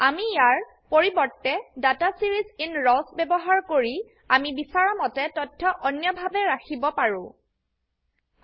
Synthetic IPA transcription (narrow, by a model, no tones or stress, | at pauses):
amijaɹ | poɹibɔɹtːɛdatasiɹizinɹɔsbɛbɔɦaɹkoɹi | amibisaɹɔmɔtɛtɔtʰːɔʔɔnjɔbʱabɛɹakʰibɔpaɹʊ̰̃